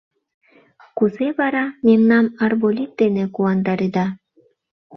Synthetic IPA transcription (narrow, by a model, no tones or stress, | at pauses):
kuzeβɑɾɑmemnɑmɑrβolʲit̪̚d̪enekuɑnd̪ɑɾed̪ɑ